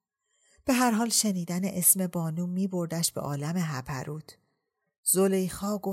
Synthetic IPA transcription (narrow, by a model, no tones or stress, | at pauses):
b̥e̞ɦæɾɦɒːlʃe̞niːd̪æneʔesme̞bɒːnuːmiːbo̞ɾd̪æʃb̥ḛʔɒːlæme̞ɦæpʰæ̰ɾʔuːt̪ʰ | zolejxɒːɡo